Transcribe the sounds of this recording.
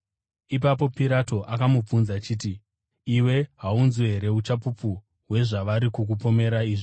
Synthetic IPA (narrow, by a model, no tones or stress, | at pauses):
ip̬apo̞piɾato̞ʔakamup͡funzat͡ʃiːt̬i | iwe̞ɦaunzweɦeɾe̞ut͡ʃapupu | ɦwe̞ʐaʋaɾikuk̬upo̞me̞ɾaiːʐi